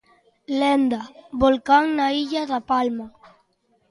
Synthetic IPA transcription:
lɛnd̪abolkaŋnaiʎaðapalma

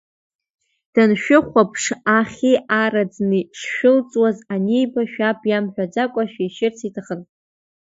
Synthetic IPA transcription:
d̥anʃᶣʊχʷapʰʂaχʲiʔarad͡znɨʂʃᶣɪlt͡sʼwazanejbaʃᶣapʰjamħʷᶣad͡ʒakʷʼaʃᶣaiʃɪrt͡sʰitʰaχən

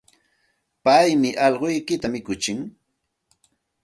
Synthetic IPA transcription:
pajmɪʔɑʎɢojkɪt̪amɪkʊt͡ʃɪŋ

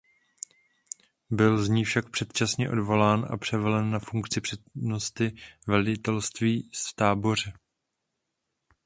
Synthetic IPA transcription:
bɪlzɲiːfʃak̚pr̥ɛt̪t͡ʃasɲɛʔo̞̰dvo̞laːnʔa̰pr̝̥ɛvɛlɛnːafuŋkt͡sɪpr̥ɛt̪nost̪ɪvɛlɪt̪ɛlst̪viːst̪aːbo̞r̝ɛ

